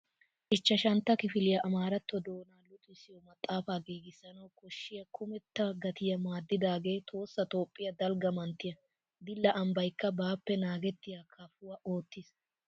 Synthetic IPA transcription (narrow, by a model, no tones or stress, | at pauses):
ʔɪt͡ʃːɐʃɐnt̪ːɐkɪfɪlɪjɐʔɐmaːɾɐt̪ːɔd̪o̞ːnaːlʊt̪ɪsɪjɔmɐt̪ʼːaːfaːɡiːɡɪsːɐnɐwkɔʃːɪjɐkʰʊmɛt̪ːɐɡɐt̪ɪjɐmaːd̪ːɪd̪aːɡe̞ːt̪ʰo̞ːsːɐt̪o̞ːpʼːɪjɐd̪ɐlɡɐmɐnt̪ːɪjɐ | d̪ɪlːɐʔɐmbɐjkːɐbaːpːɛnaːɡɛt̪ːɪjɐkʰɐfʊwɐʔo̞ːt̪ːɪs